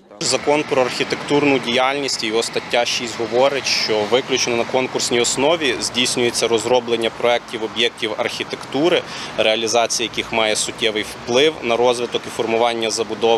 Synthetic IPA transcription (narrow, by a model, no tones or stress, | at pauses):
zɐkɔnpɾɔɐrxʲit̪ekt̪urnʊdʲijɑlʲnʲisʲtʲijɔɦɔst̪ɐtʲːaʃisʲtʲɦɔʋɔɾɪtʲʃt͡ʃɔʋɪklʲʊt͡ʃnɪnɐkɔnkʊrsʲnʲijɔsnɔʋʲizʲdʲijsʲnʲʊjet͡sʲːɐɾɔzɾɔblˠenʲːɐpɾɔɛk̚tʲiwɔbjɛk̚tʲiwɐrxʲit̪e̞kt̪uɾɪ | ɾeɐlʲizɑt͡sʲijɐjɐkixmɑjɛsʊtʲːɛʋɪjwplˠɪwnɐɾɔzʋɪt̪ɔkifɔrmʊʋɑnʲːɐzɐbʊd̪ɔ